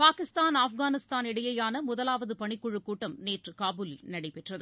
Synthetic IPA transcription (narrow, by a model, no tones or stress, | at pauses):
paːkɪst̪aːnaːfɣaːnɪst̪aːnɪɽɐjɐjaːnɐmʊðɐlaːʋɐðɯpɐɳɪkːʊɻɯkːuːʈːɐmneːʈrɯkaːbuːlɪlnɐɽɐɪpɛʈrɐðɯ